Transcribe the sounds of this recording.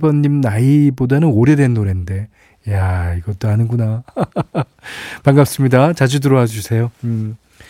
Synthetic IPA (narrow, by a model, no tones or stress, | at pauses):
bʌɲːimnaibodanɯnoɾe̞dwe̞nːoɾende̞ | jaiɡʌt͈oanɯnɡuna | paŋɡap̚s͈ɯmɲidat͡ɕad͡ʑudɯɾoad͡ʑusʰe̞jo